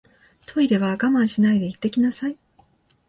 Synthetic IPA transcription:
t̪ʰo̞iɾe̞βaːɡamãɰ̃ɕinaid̪e̞it̪ːe̞kʲinasai

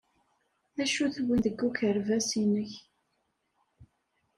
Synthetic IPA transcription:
ðæʃuθwinðəɡːukəɾvæsinəç

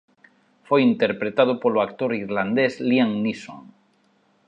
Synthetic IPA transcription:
fojint̪eɾpɾet̪að̞opoloak̚t̪oɾiɾland̪ezliaŋnisõ̰ŋ

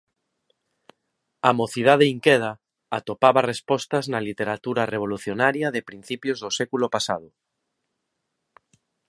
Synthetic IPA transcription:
amoθið̞að̞eiŋkɛð̞a | at̪opaβarespɔst̪ɐznalit̪eɾat̪uɾareβ̞oluθjonaɾjaðeɪpɾin̟θipjozðosɛkulopasaðʊ

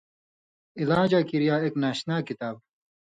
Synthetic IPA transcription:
ilaːd͡ʑakiɾjaːeknaːɕnaːkit̪aːb

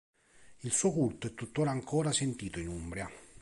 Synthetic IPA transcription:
ilsuːkult̪oɛt̪ːut̪ːoːɾaːŋkoːɾasent̪iːt̪oinumbɾja

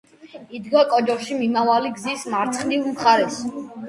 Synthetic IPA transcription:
id̪ɡɔkʼɔd͡ʒɔχʃimimavaliɡzismaɾt̪sʰχnivmχaɾɛs

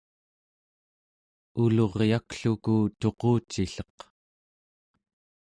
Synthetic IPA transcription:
ulo̞ʁjakɬukut̪o̞qoːt͡ʃːiɬʌq

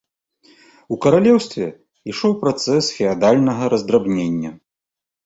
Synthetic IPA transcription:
ukɐɾalʲɛwst̪vʲɛ | iʂɔwpɾat̪sɛsfʲɛad̪alʲnɐɣɐɾɐzd̪ɾabnʲenʲːɐ

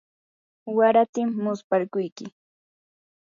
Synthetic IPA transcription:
waɾat̪ɪmːʊspaɾkʊjkɪ

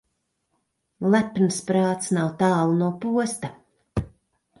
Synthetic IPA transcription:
lˠæpnɨspɾaːt̪snawt̪aːlˠnuɔpuɔst̪a

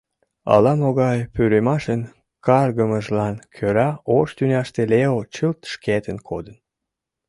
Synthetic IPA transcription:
ɑ̰lɑmoɣɑjpyɾemɑʃən | kɑrɣəməʒlɑnkʰøɾɑoʃt̪ynʲɑʃt̪eleot͡ɕəlt̪ʃket̪ənkʰod̪ən

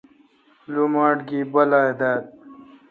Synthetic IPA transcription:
lumaːʈɡibɐlaːed̪aːd̪̚

